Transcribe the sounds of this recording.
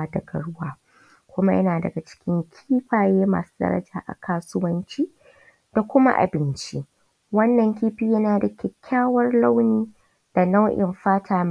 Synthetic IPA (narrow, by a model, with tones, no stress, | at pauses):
a˦dɐ˨ɡɐ˨ɽʊ˦waː˦ | kʷʊ˦ma˦jɐ̰˦naː˨dɐ̰˨ɡa˨t͡ʃɪ̥˦kʲɪ˦ŋkʲʰiiː˦ɸaː˨jeː˦ma̰ː˨su̥ː˦dɐ̰˦ɾɐ̰˦d͡ʒaː˨ʔa̰˨kʰaː˦sʊ˦wɐ˦nt͡ʃiː˦ | d̥a˨kʷʊ˦ma̰˦ʔa̰˨bɪ˦nt͡ʃi˦ | wɐ˦nːɐ˨ŋkʲiː˦ɸiː˨jɐ˦naː˨da˨kʲɛ˨kʲʰːaː˦wɐ˦rla˦wniː˦ | d̥a˨na˦wʔɪ̰˨mɸaː˦tʰaː˨m